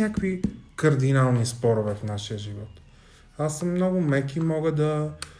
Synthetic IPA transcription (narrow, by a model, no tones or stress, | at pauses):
akvikɐɾd̪inalˠnispɔɾʊvɛfnaʃiəʒivɔt̪ | asːəmːnɔɡʊmɛkimɔɡəd̪ɐ